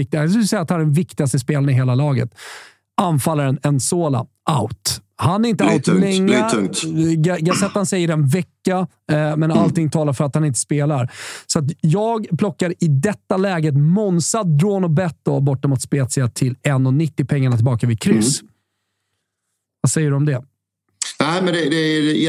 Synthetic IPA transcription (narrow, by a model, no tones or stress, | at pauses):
ɪk̚t̪ɪs̬k̬ʉlsɛjːat̪hanæɖɛnvɪkt̪ɪɡast̪əspeːlanɪɦeːlalɑːɡə̰t̪ | anfalːaɾɛnɛnsoːla̰ | aʊt̪hanæɾɪnt̪əalt̪lɛŋːaŋaɡasɛt̪ːansɛjəɾɛnvɛkːa | mɛnalt̪ɪŋt̪ʰɑːlaɾfœɾat̪hanɪnt̪ə̥speːlaɾsɔat̪̬jɑːɡpʰlɔkːaɾɪd̪ɛt̪ːalɛːɡət̪mɔnsad̪̚ːɾoːnɔbɛt̪ːd̪ɔbɔʈːɔmat̪speːt̪sɪat̪ʰɪlɛnːɔnɪt̪ːɪpʰɛŋːaɳat̪ʰɪlbɑːkavɪd̪̚kʰɾʏs | vasɛjːəɖɵɔmd̪ɛ | næɪmɛnd̪ɛd̪ɛ